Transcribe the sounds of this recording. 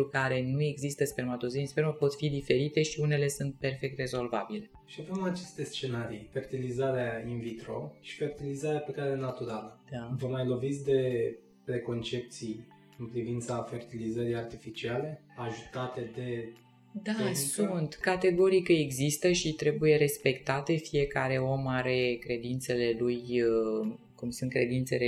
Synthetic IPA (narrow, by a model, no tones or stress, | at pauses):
ukaɾe̞nue̞ɡzist̪əspeɾmat̪ozinspeɾməpo̞t̪fid̪ife̞ɾit̪e̞ʃiune̞le̞sunt̪̚pe̞rfe̞k̚t̪re̞zo̞lvabile̞ | ʃiavemat͡ʃe̞st̪e̞st͡ʃe̞naɾijfe̞rt̪ilizaɾeainvit̪ɾoʃi̥fe̞rt̪ilizaɾeapekaɾelenat̪uɾaləd̪̥avəmajlo̞vit̪s̬ʲd̪e̞ | pɾe̞ko̞nt͡ʃe̞p̚t̪sij | ɨnpɾivint̪safe̞rt̪ilizəɾijart̪ifit͡ʃiale̞aʒut̪at̪e̞d̪e̞ | d̪asunt̪kat̪e̞ɡo̞ɾikəeɡzist̪əʃit̪ɾe̞buje̞ɾe̞spe̞kt̪at̪e̞fije̞kaɾe̞o̞maɾe̞kɾe̞d̪int̪se̞le̞luj | kumsunt̪kɾe̞d̪int̪se̞le